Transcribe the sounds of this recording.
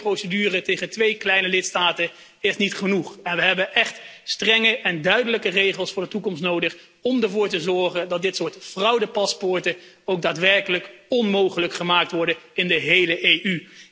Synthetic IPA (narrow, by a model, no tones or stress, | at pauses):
prowsədyːrətejχəntʋejklɛjnəlɪtstaːtə | ɪsnitχənuχɛnʋəɦɛbəʔɛχtstrɛŋəʔɛndœɥdələkərejχəlˠsfʊːɹdətukɔmstnowdəχ | ɔmdəɹvʊːɹtəzɔɹχəndɑt̚dɪtsʊːɹtfrʌwdəpɑspʊɹtə | owɡ̚daːtʋɛɹkələkɔnmowχələkχəmaːk̚tʋɔɹdəɪndəɦejləʔejʔy